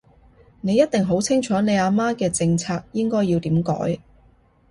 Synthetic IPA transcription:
ne˨˧jːɐ˥t̚t̪ɪ˨˩ŋɦo˨˥wt͡sʰɪ˥ŋt͡ʃʰɔː˨˥ne˨˧jaː˨˧maː˥kɛː˧t͡sɪ˧ŋt͡sʰaː˧k̚jɪ˥ŋkɔː˥jːiː˧wt̪iː˨˥mkɔ̰ː˨˥j

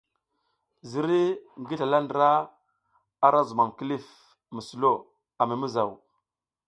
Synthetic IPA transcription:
zi˨ɾi˦ŋɡi˦ɬa˨la˦ndɾa˦ | a˦ɾa˦zu˨ma˨mki˦li˦˨f | mi˨su˨lo˦˨ | a˨mi˨mi˦za˨w

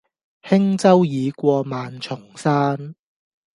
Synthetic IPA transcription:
hɪ˥ŋt͡sɐ˥wjiː˨˧kʷɔː˧maː˨˧nt͡sʰʊ˨˩ŋsaː˥n

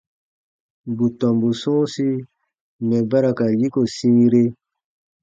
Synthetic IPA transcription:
bu˨tɔ̃˨mbu˨sũ˦si˦ | mɛ˨ba˦ɾa˨ka˨ji˦ko˨sĩ˦ɾe˦

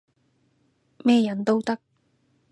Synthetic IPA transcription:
mɛː˥jɐ˨˥nt̪o˥wt̪ɐ˥k̚

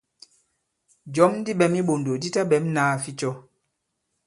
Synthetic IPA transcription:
d͡ʒɔ˨˦mn˦di˦ɓɛ˨˦mi˦ɓo˨ndo˨di˦ta˦ɓɛ˨˦mnaː˨˦fi˦t͡ʃɔ˦

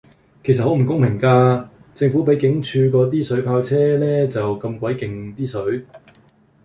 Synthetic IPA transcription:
kʰjs̬ɐ˨ho˨˥m̩˨˩kʊ˥ŋpʰɪ˨˩ŋkaː˧ | t͡sɪ˧ŋfuː˨˥pe˨˥jkɪ˨˥ŋt͡ʃʰyː˧kɔː˧t̪̬iː˥sɵ˨˥ɥpʰaː˧wt͡sʰɛː˥lɛː˥t͡sɐ˨wkɐ˧mkʷɐ˨˥jkɪ˨˩ŋt̪iː˥sɵ˨˥ɥ

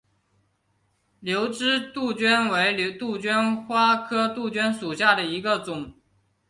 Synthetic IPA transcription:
ljo˧˥ʊʈ͡ʂɻ̩˥t̪u˥˩t͡ɕɥɛ˥nwe˧˥ɪlt̪u˥˩t͡ɕɥɛ˥nxwa˥kʰɤ˥t̪u˥˩t͡ɕɥɛ˥nʂu˨˩ɕja˥˩d̪ə˩i˧˥ɡə˧t͡sʊ˨˩˦ŋ

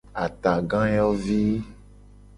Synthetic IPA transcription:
a˨t̪a˨ɡã˦jɔ˦vi˦

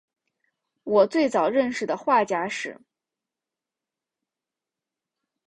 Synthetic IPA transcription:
wɔ˨˩t͡swe˥˩ɪt͡sɑ˨˩ʊɻə˥˧nʂɻ̩˨˩d̪ə˩xwa˥˩t͡ɕja˥ʂɻ̩˨˩

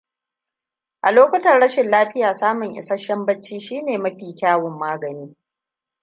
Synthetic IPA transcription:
ʔa˨loː˦kʷɐ˦tɐ˨rɽɐ˦ʃɪ˨nlaː˦ɸɪ˦jaː˨saː˦mʊ˨ŋʔɪ̰˨sɐ˦ʃɐ˦mbɐ˦t͡ʃːiː˦ʃiː˦neː˨mɐ˦ɸiː˨kʲaː˦wʊ˨mːaː˦ɡɐ˨niː˦

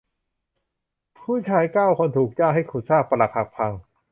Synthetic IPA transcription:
pʰuː˥˩t͡ɕʰaː˧˥jkaː˥˩wkʰo˧nt̪ʰuː˨˩k̚t͡ɕaː˥˩ŋɦa˥˩jkʰuː˨˩t̪̚saː˥˩k̚pa˧la˨˩ha˨˩k̚pʰa˧ŋ

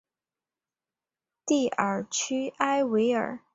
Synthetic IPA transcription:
t̪i˥˩ə˞˨˩t͡ɕʰy˥a˥ɪwe˧˥ɪə̰˞˨˩˦

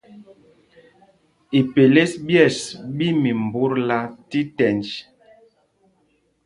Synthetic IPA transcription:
i˨pe˨le˦sbjɛ˦˨sbi˦mi˨m˨bu˦ɾla˦ti˦tɛ˨nd͡ʒ

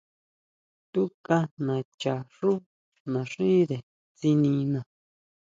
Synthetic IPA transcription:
t̪u˦ka˧nã˨t͡ʃa˨ʂu˦ | nã˨ʂĩ˦ðe˨ | t͡si˧nĩ˧nã˨

